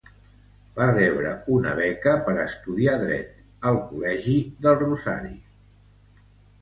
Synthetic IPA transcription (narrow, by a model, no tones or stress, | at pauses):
barɛβɾə̰unə̰βɛkəpəɾəst̪uðiaðɾɛ̰t̪ | əlˠkulɛʒiðəlˠruza̰ɾi